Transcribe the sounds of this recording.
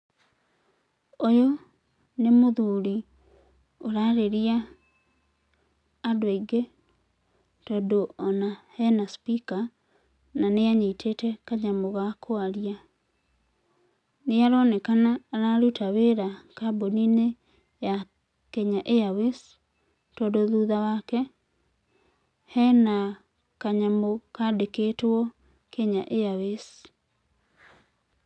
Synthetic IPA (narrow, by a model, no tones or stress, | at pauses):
ojo | nemoðuɾi | oɾaɾeɾia | doaiɡe | tɔdoɔnahɛnaspika | naneaɲetʰetɛkaɲamoɣakʰoaɾia | neaɾɔnɛkanaɾaɾutaβeɾakabonine | ja | keɲaʔeawes | tɔdoðuðawakɛ | hɛna | kaɲamokadekeːtɔ | keɲaʔeawes